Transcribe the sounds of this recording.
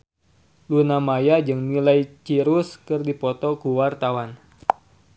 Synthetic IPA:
lunamajad͡ʒɨŋnilajt͡ʃiɾuskɨrdipɔt̪ɔkuwart̪awan

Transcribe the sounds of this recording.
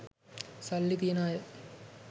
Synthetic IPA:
sɐlːit̪inaːjɐ

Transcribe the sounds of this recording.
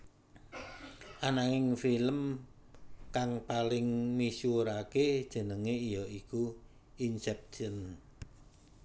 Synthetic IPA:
ʔanaŋɪŋfiləm | kaŋpalɪŋmisuɾaked̥ʒ̥ə̤nəŋeijɔiku | insɛp̚ʃən

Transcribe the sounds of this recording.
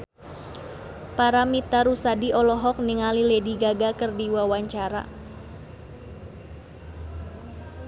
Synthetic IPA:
paɾamit̪aɾusadiʔɔlɔɦɔk̚niŋalilɛdiɡaɡakərdiwawaɲt͡ʃaɾa̰

